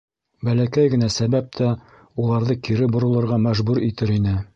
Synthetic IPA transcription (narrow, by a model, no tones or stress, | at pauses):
bælækæjɡɘ̆næsæβæp̚t̪ʰæ | ulˠɑɾðɤkiɾɘbŏɾŏlˠɤ̆ɾʁɑmæʒbʉɾit̪ɘɾinɘ